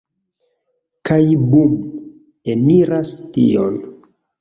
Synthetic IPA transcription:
kajbum | eniɾastḭol

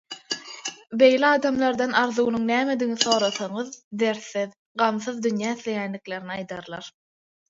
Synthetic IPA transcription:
be̞jliɑːd̪ɑmlˠɑɾd̪ɑnɑɾðuɣnuŋnæːmed̪iɣniθo̞ːɾɑθɑɴɯðd̪eɾθið | ɢɑmθɯðd̪ynjæːiθlʲe̞jænlikle̞ɾniɑjd̪ɑɾlˠɑɾ

